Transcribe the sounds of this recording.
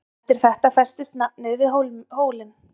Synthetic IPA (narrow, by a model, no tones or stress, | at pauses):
t̪ɪɾ̥θɛht̪afɛr̥st̪ɪst̪nanʏːvɪɦowhoːwlɪn